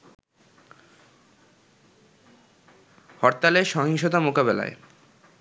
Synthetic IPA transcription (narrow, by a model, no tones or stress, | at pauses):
hɔɾt̪aleʃɔɦiŋʃot̪amokabela̰e